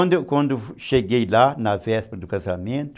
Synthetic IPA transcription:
d̪ʊkwɐ̃nd̪ʊʃeɡejlanɐvɛspɾɐd̪ʊkazamẽnt̪ʊ

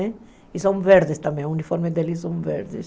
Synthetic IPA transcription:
ɛ | isõw̃veɾd̪ɪst̪ɐ̃mbẽunifɔɾmed̪elis̬õw̃vḛɾd̪ɪ̰s

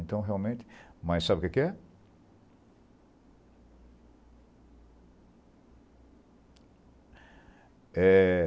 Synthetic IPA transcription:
ẽnt̪ɐ̃w̃ɦeawmẽnt̪ɪ̥mɐssabɪʊkɪkɪɛ | ɛ

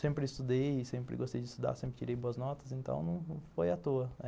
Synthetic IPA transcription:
sẽmpɾɪɪst̪ud̪ejsẽmpɾɪ̰ɡost̪ejd͡ʒɪst̪ud̪a̰ɾsẽmpɾɪt͡ʃiɾejboɐznɔt̪ɐ̥zẽnt̪ɐ̰̃w̃nɐ̃w̃fojɐt̪oɐ

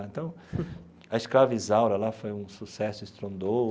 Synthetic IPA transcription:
t̪ɐ̃w̃ | ɐɪskɾavizawɾɐlafojũsusɛsʊɪst̪ɾõnd̪o

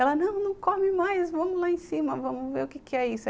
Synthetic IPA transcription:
ɛlɐnɐ̃w̃nɐ̃w̃komɪmajsvɐ̃mʊlaẽsĩmɐvɐ̃mʊveɾʊkekɪɛisʊ

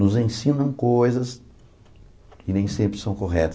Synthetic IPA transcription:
nʊzẽsĩnɐ̃w̃kojzɐs | ɪnẽj̃sẽmpɾɪsɐ̃w̃koɦɛt̪ɐ̥

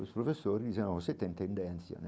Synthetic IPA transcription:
ospɾofessːoːɾid̪isɛnakoset̪ːent̪end̪ɛnt̪sja̰n

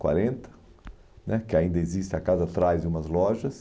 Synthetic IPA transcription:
kwa̰ɾẽnt̪ɐ̥ | nɛkɪaĩnd̪ɐezist̪ɪakazɐat̪ɾajzd͡ʒɪũmɐzlɔʒɐs

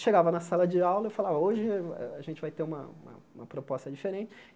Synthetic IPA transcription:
ʃeɡavɐnɐsalɐd͡ʒɪawlɐefalavɐoʒɪɛ̰aʒẽnt͡ʃɪvajt̪eũmɐ̰ṵ̃mɐ̰ũmɐpɾopɔst̪ɐd͡ʒifeɾẽt͡ʃɪ̥

